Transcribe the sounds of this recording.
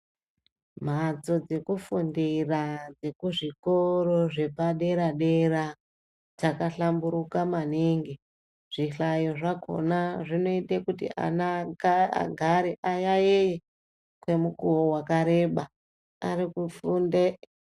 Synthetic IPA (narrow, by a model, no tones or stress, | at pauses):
m̤at͡so̞d͡ze̞kufundirad͡ze̞kuʐiko̞ɾo̞ʐe̞paɗe̞ɾaɗe̞ra | d͡zakaɬambuɾukamaniŋɡi | ʐ̥iɬajo̞ʐako̞̰naʐino̞itekutḭʔa̰naa̰ɡʱaɾeʔajajeje | kwe̞mukuwowakaɾe̞ɓa | arikufunde